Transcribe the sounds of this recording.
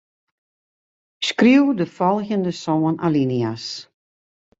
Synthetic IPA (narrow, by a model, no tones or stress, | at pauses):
skriwdəfɔlˠɣəndəsoːənʔalinias